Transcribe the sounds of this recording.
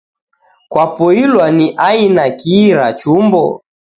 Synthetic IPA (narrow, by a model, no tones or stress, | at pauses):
kwapɔilwaniʔainakiɾat͡ʃumbɔ̰